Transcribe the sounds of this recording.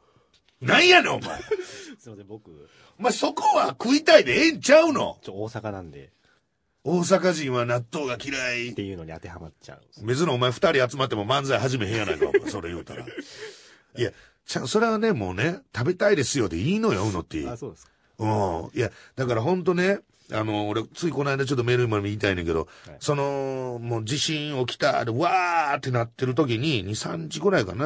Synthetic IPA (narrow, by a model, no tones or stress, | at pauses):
nãĩjaneoma̰e | k | omaso̞ko̞βakɯ̟it̪aid̪eẽɲt͡ɕaɯ̟no̞̰oːsakanãnd̪ḛ | o̞ːs̬akaʑĩɰ̃βanat̪ːo̞ːɡakʲiɾaiejɯːnoɲ̟ia̰t̪e̞hamat͡ɕa̰ɯme̞zɨnoːmaeɸɯ̟̥t̪aɾʲiat͡sɨmat̪ːemo̞mãnd͡zaiɦaʑime̞ɦẽjãnaik̪a̰o̰a̰so̞ɾejɯ̰ːt̪aɾa̰ | ija | t͡ɕãso̞ɾe̞βane̞mo̞ːne̞t̪abe̞t̪aid̪e̞sɨjo̞d̪eiːno̞jonot̪ːḛ | ɯ̃jad̪akaɾaɦõ̞nt̪o̞ne̞ | ano̞ːɾe̞t͡sɨiko̞naid̪at͡ɕo̞t̪̬ːome̞ɾɯ̟imamiit̪ainẽŋke̞d̪o̞̰so̞no̞moːd͡ʑiɕĩɰ̃o̞kʲi̥t̪aɾeɯβaːt̪ːe̞nat̪ːe̞ɾɯ̟t̪o̞k̬ʲiɲ̟iɲ̟isãɲ̟d͡ʑiɡɯ̟ɾaikana